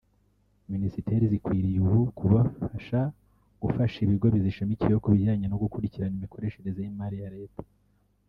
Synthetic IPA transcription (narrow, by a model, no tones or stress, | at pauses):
minisite̞ɾizikwiːɾijuβukuβaaʃa | ɡ̥ufaʃiβiɡo̞βiziʃimiciɾejokuβiɟaːɲenoɡukuɾiciɾanimikʰo̞ɾe̞ːʃe̞ɾe̞zeimaɾijaɾe̞ːtḁ